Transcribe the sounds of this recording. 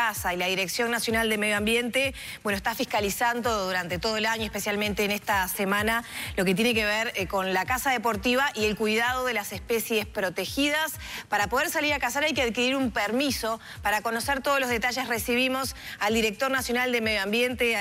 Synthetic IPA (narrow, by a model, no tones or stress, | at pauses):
asailaðiɾeksjo̞nːasjo̞nald̪emeðjoambje̞nt̪e | bwenoest̪afihkalisand̪o̞ðuɾant̪e̞t̪o̞ð̞oelaɲoespe̞sjalmẽnt̪eːnest̪asemãnalo̞ke̞t̪̬jene̞k̬eβeɾko̞nlakasaðepo̞ɾt̪iβaʔie̞lkujðaðo̞ðe̞lasespesje̞spɾo̞t̪exiðas | paɾapo̞ð̞eɾsaliɾakasaɾajkeaðkiɾiɾumpeɾmiso̞ | paɾako̞noseɾt̪oðolo̞zðe̞t̪aʒe̞sresiβimo̞sald̪iɾe̞k̚t̪o̞ɾnasjo̞nald̪emeðjoambje̞nt̪e